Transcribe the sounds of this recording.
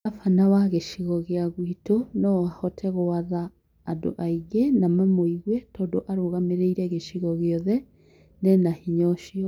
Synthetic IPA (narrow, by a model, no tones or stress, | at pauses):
afanawaɣeʃiɣɔɣeaɣwitonɔwahɔtʰɛɣowaðaː | do̰ʔaiɣenamamoiɣwɛtʰɔːdoʔaɾoɣameɾeiɾɛɣeʃiɣɔɣeɔðɛ | nenahiɲɔʃiɔ